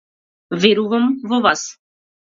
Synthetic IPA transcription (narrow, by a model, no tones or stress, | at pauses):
vɛɾuvamvɔvas